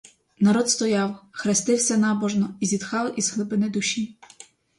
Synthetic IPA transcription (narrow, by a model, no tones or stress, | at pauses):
nɐɾɔt̪st̪ɔjɑwxɾest̪ɪwsʲɐnɑbɔʒnɔizʲid̪xɑlʔizɦlˠɪbɪnɪd̪ʊʃʲi